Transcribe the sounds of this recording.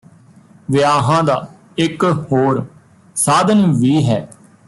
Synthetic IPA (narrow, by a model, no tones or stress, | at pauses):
ʋɪjaːɦãːd̪aː | ɪkhoːɾ | saːd̪ənʋiːɦɛː